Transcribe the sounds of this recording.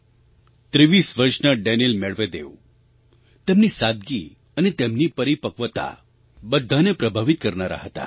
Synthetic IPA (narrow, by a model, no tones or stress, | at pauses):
t̪ɾiʋisʋəɾʂnəɖɛnilmeɭʋed̪eʋ | t̪emnisad̪̚ɡi | ənet̪emnipəɾipəkʋət̪a̰ | bəd̪ʱːanepɾəbʱaʋit̪̚kəɾnaɾa̰ɦət̪a̰